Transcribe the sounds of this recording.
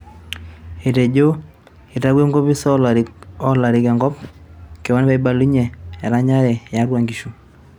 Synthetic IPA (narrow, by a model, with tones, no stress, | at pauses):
e˨te˨d͡ʒo˦ | i˨ta˦ɡwe˦ŋɡo˦pi˦sɔ˦lɔ˦la˨ɾɪ˨kɛ˨ŋɡɔ˦pke˨wa˦npa˦i˦ba˨lu˦ɲɛ˨ɛ˨ɾa˦ɲa˦ɾɛ˨ja˨˦ɾwa˨ŋɡi˨ʃu˨